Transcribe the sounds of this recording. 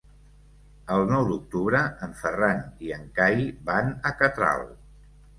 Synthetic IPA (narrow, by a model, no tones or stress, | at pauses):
əlˠnɔwd̪uk̚t̪uβɾəəɱfəraniəŋkajβanəkət̪ɾa̰lˠ